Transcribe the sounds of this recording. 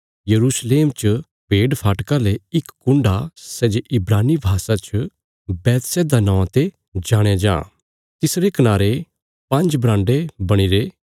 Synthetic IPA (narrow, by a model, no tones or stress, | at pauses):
jɐɾuːsleːmt͡ʃ | bʱeːɖpʰaːʈkaleɪkːʊ̃ɳɖasɛːd͡ʒeʔɪbɾaːnibʱaːsat͡ʃ | bɛːt̪sɛd̪anãːãt̪e | d͡ʒaːɽ̃ad͡ʒã̰ː | t̪ɪsɾekɐnaːɾe | pɐ̃nd͡ʒbɾãːɳɖebɐɽ̃iɾeː